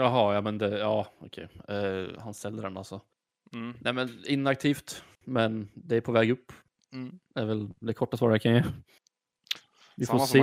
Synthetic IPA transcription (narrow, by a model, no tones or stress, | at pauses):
jɑɦɑjɑːmɛnd̪ɛjɑːɔ̰kʰɛ̰j | hanst̪ɛlːəɾɛna̰lsɔ | nɛmɛnɪnːak̚t̪ʰiːft̪ | mɛnd̪ɛæɾpʰɔvɛːɡɵpː | æɾvɛld̪ɛkʰɔʈːasvɑːɖakʰanjɛː | vɪfose